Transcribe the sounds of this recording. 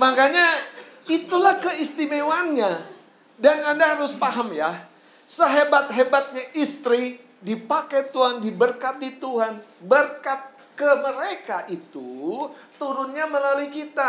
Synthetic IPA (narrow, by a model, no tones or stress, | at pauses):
makaɲait̪ulahkəist̪imewanɲa | danandaɦaɾʊspaɦəmja | səɦebat̪̚ɦebat̪̚ɲaʔist̪ɾi | dipakajt̪uɦandibərkat̪̚dit̪uɦanbərkat̪̚ | kəməɾekaʔit̪ut̪uɾʊnɲaməlaluikit̪a